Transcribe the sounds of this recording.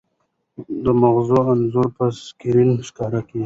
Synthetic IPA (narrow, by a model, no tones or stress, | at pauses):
d̪əmaɣzoanzuɾpaskiɾinʃkɑɾaki